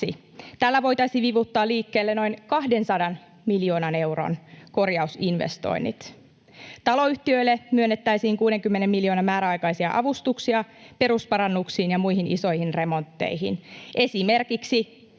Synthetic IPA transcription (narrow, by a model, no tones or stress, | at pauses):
i | t̪ælːæʋo̞jt̪ɑjsiʋiʋut̪ːɑːliːkːe̞ːlːeno̞inkɑhde̞nsɑdɑn | miljo̞ːnɑnewro̰nko̞rjɑusinʋḛst̪o̰inːḭt̪ | t̪ɑlo̞yht̪iø̞ilːemyønːet̪ːæisiːŋkuːɾe̞ŋkymːenemːiljo̞ːnɑmːæːɾæɑjkɑjsiɑ̰ʔɑ̰ʋust̪uksiɑpe̞ɾuspɑɾɑnːuksiːnjɑmujɦinḭso̞jhinre̞mo̞nt̪ːḛiɦḭnʔe̞sime̞rkiksi